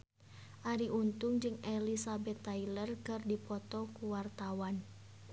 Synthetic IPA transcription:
ʔaɾiʔunt̪ʊŋd͡ʒɨŋɛlisabɛt̪ːailərkɨrdipɔt̪ɔkuwart̪awan

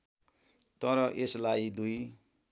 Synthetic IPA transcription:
t̪ʌɾʌʔeslajd̪uj

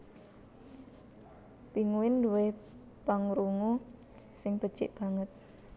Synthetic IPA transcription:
piŋuwɪnduwe | paŋɾuŋu | sɪŋb̥əd̥t͡ʃɪ̰ʔb̥a̤ŋət̪̚

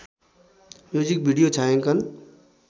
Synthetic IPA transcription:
joːd͡ʒik̚bʱiɖijot͡ʃʰaːẽkən

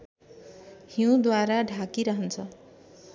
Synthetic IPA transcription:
hiw̃d̪waɾaɖʱakiɾʌɦʌnt͡sʰʌ

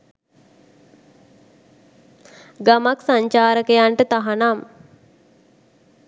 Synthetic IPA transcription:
ɡamaksaɲt͡ʃaːɾəkejaɳʈət̪aɦanam

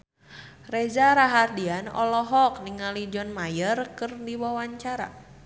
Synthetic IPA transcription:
rezaɾaɦardianɔ̰lɔɦɔk̚niŋalid͡ʒɔnmajərkɨrdiwawaɲt͡ʃaɾa̰

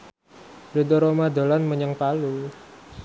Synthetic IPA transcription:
ɾ̥o̤d̪oɾomad̪o̤lanməɲəŋpalu

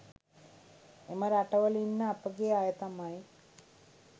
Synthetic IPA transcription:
eməɾaʈəʋəlinːəapəɡeajət̪amaj

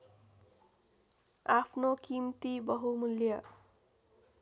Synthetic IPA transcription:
apʰnokimt̪ibʌɦumuljʌ

